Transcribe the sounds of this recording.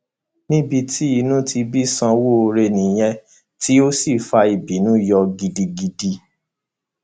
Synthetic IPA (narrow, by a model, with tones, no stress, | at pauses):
nĩ˦bi˧ti˦i˧nũ˦ti˧bi˦sã˧wo˦˧ɾe˧nĩ˨j̃ɛ̃˧ | tʰi˦o˦si˦˨fa˧i˨bi˨˦nũ˨˦jɔ˧ɡi˧di˧ɡi˧di˧